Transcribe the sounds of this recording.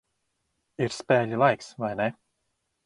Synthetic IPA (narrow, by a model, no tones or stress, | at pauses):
iɾspɛːʎʲilˠajksvajnɛ